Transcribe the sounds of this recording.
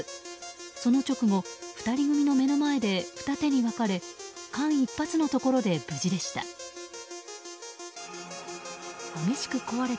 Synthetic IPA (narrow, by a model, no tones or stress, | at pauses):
so̞no̞t͡ɕo̞kɯ̟mo̞ɸɯ̟̥t̪aɾʲiɡɯ̟mʲino̞me̞no̞mae̞d̪e̞ɸɯ̟̥t̪at̪e̞ɲ̟iβakaɾe̞kãɰ̃ipːat͡sɨno̞t̪o̞ko̞ɾo̞d̪e̞bɯ̟ʑid̪e̞ɕi̥t̪a̰ | hameɕi̥kɯ̟ko̞βaɾe̞